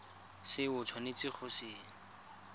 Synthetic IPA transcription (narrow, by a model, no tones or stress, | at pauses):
sɪʊt͡sʰwanet͡sɪχʰʊsɪːŋ̩